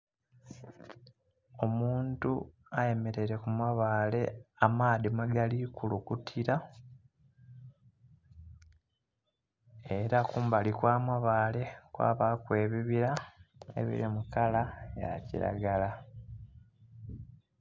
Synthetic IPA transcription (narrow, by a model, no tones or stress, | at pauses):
o̞muːntu | aje̞me̞ɾe̞ɾe̞kumaβaːle̞amaːðimaɡalikulukutʰiɾa | e̞ɾakuːmbalikwaːmaβaːle̞kwa̰ːβakwe̞ːβiβiɾaḛβḭɾimukalaja̰cḭɾa̰ɡala